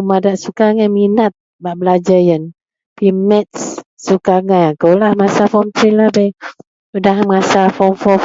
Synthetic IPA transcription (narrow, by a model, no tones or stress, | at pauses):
madaʔsukaŋaminat̪̚ | baʔbəlad͡ʒajən | pimɛt̪̚ssukaŋajaŋkowlahmasafɔmt̪ɾilahba | udahməŋasafɔmfɔ